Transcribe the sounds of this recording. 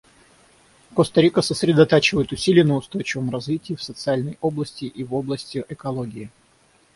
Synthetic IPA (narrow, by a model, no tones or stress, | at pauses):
kost̪ɐɾʲikəsəsɾʲɪd̪ɐt̪at͡ɕɪvəjɪt̪ʊsʲilʲɪjənəʊst̪o̞jt͡ɕɪvəmrɐzvʲitʲɪːfsət̪sɨalʲnəjo̞blˠəsʲtʲɪʔivo̞blˠəsʲtʲɪʔɛkɐlˠoɡʲɪɪ